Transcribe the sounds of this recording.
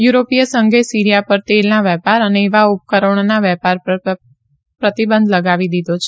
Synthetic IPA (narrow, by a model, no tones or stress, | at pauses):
juɾopijəsəŋɡʱesiɾijapəɾt̪elnaʋɛpaɾəneːʋaup̚kəɾəɳnaʋɛpaɾ | pɾət̪ibənd̪ʱləɡaʋid̪id̪ot͡ʃʰe̥